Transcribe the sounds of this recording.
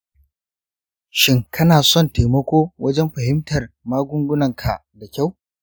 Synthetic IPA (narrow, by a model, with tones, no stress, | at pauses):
ʃɪ˦ŋkʰɐ˦naː˨sɔ˦˨nteː˨mɐ˦kʷoː˦wɐ˦d͡ʒɛ˦mɸɐ˨hɪ˦mtɐ˨rmaː˦ɡʷʊ˦ŋɡʷʊ˦nɐ˨ŋkʰa̰˨da˨kʲa˦˨w